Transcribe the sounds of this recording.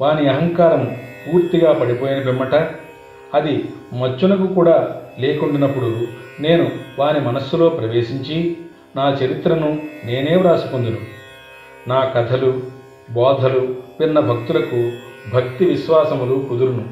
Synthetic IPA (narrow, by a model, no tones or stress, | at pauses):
ʋaːniɐɦɐŋkaːɾɐmpuːɾt̪iɡaːpɐɽipo̞ːjinɐbimːɐʈɐ | ɐd̪imɐt͡ʃːunɐkukuːɽaːleːkuɳɖinɐpːuɽune̞ːnuʋaːnimɐnɐsːulo̞ːpɾɐʋe̞ːʃiɲt͡ʃi | naːt͡ʃɐɾit̪ɾɐnune̞ːne̞ːmɾaːsu̥kund̪inu | naːkɐt̪ʰɐlu | bɔːd̪ʱɐlupinːɐbʱɐk̚t̪ulɐkubʱɐkt̪iʋiʃʋaːsɐmuluːkud̪uɾunu